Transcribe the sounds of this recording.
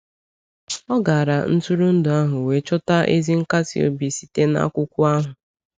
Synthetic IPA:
ɔ˦ɡa˨ɾa˨n̩˦tu˦ɾu˦n̩˦dʊ˨a˦ɦʊ˨we˨˦t͡ʃɔ˦ta˦ʔe˦zi˦ŋ̩˦ka˦sḭ˨o̰˦bi˨si̥˨te˦na̰˦kʷʊ˦kʷʊ˦a˦ɦʊ˨

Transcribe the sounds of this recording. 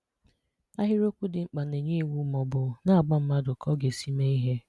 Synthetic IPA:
a˦ɦɪ˦ɾo˦kʷu˦dɪ˨ŋ͡m̩˦k͡pa˨ne˨ɲe˦wu˨˦mɔ˨bʊ˨na˦a˨ɡ͡ba˦m̩˦ma˦dʊ˨kʰɔ˦ɡe˨si˦me˦i˦ɦe˦

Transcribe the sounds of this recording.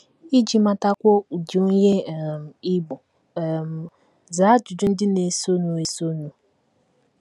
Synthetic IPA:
i˦d͡ʒi˨ma˨ta˦kʷɔ˦u˨d͡ʒi˨˦ɲe˦˨m̩˨i˦bɔ˨ | m˨ | zaː˨˦d͡ʒu˨dʊ˦n̩˦dɪ˦ne˨so˦nu˨e˨so˦nu˨

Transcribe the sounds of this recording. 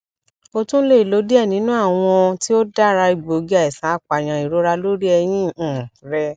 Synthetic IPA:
o˧tũ˦le˦˨i˨lo˨˦di˦ɛ˦˨nĩ˨˦nũ˦a˦˨w̃ɔ̃˧ti˦o˦da˦˨ɾa˧i˨ɡ͡bo˨ɡi˦a˧ɛ˨sã˨˦a˦˨k͡pa˨j̃ã˨i˨ɾo˨˦ɾa˧lo˦ɾi˦ɛ˧j̃ĩ˦˨ɾɛ˧

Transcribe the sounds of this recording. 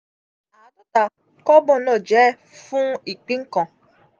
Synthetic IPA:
a˨dʊ˦ta˨ | kɔ˦bɔ˨nɔ˨d͡ʒɛ˨˦ | fũ˦i˨k͡pi˦ŋ̩˦kɔ̃˨

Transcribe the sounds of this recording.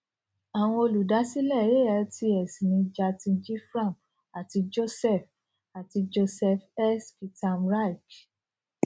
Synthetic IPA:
a˨w̃ɔ̃˧o˧lu˨da˨˦si˦lɛ˦˨je˦˨ɛ˨˦ti˧ɛ˨si˨nĩ˧d͡ʒa˧tĩ˧d͡ʒi˦fɾã˦˨mp̚ | a˨ti˧d͡ʒo˦sɛ˦˨f | a˨ti˧d͡ʒo˧sɛ˧fɛ˦sfi˧ta˧mɾa˦i˨k

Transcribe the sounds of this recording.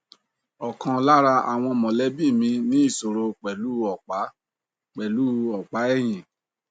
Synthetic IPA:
ɔ˨kã˨la˦ɾa˧a̰˨w̃ɔ̃˧mɔ̃˨lɛ˨˦bi˦˨mĩ˧nĩ˦i˦˨so˨ɾo˧k͡pɛ˨lu˨˦ɔ˨k͡pa˨˦ | k͡pɛ˨lu˨˦ɔ˨k͡pa˨˦ɛ˦˨j̃ĩ˨

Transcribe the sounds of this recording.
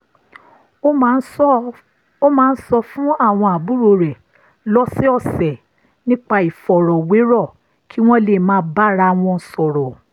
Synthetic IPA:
n˦ | o˦mãː˦n̩˦sɔ˧fũ˦a˦˨w̃ɔ̃˧a˨bu˦ɾo˧ɾɛ˨ | lɔ˦si˦ɔ˦˨sɛ˨ | nĩ˦k͡pa˧i˨fɔ˨ɾɔ˨we˨˦ɾɔ˦˨ | kʰi˦w̃ɔ̃˦le˨mãː˨˦ba˦ɾa˧w̃ɔ̃˧˨sɔ˨ɾɔ˨

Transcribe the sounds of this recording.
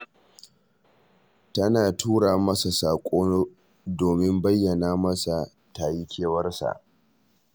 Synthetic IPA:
tɐ˦naː˨tuː˦ɽaː˨mɐ˦sa˨saː˨kʷʼoː˦ | doː˨mɪ˦mbɐ˦jːɐ˨naː˦mɐ˦sa˨ | taː˨ji˦kʲʰeː˦wɐ˦rsa̰˨ʔ

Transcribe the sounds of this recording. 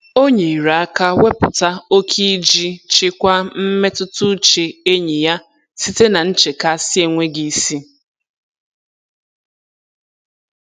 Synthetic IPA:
o˦ɲe˨i˨ɾa˨a˦ka˦we˦pʊ˨ta˦o˦kʰi˦d͡ʒi˦t͡ʃɪ˦kʷa˦m̩˦me˦tʊ˦tʊ˦t͡ʃe˨e˦ɲe˨ja˦ | si˦te˦na˨n̩˦t͡ʃe˨ka˦˨sɪ˦e˦ŋʷe˦ɡi˨si˦

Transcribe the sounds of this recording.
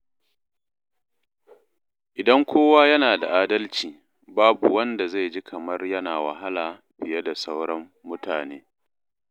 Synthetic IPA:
ʔɪ˨dɐ˦ŋkʷoː˦waː˦jɐ˦naː˨da̰˨ʔaː˦dɐ˦lt͡ʃiː˨ | baː˦bu˨wɐ˦nda˨za˦˨jd͡ʒi˦kʰɐ˨mɐ˦rjɐ˦naː˨wɐ̰˨ɦa˦laː˨ | bɪ˨jɐ˦da˨sa˦wɽɔ˦mːʊ˦tʰaː˨neː˦

